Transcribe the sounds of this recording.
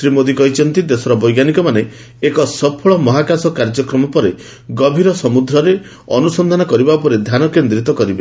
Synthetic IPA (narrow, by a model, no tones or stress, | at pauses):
sɾimod̪ikɔit͡ʃɔnt̪id̪esɔɾɔbɔjɡanikɔmane | ekɔsɔpʰɔɭɔmɔɦakasɔkaɾd͡ʒɔkɾɔmɔpɔɾe | ɡɔbʱiɾɔsɔmud̪ʱɾɔɾe | ɔ̰nusɔnd̪ʱanɔkɔɾibaupɔɾed̪ʱjanɔkend̪ɾit̪ɔkɔɾibe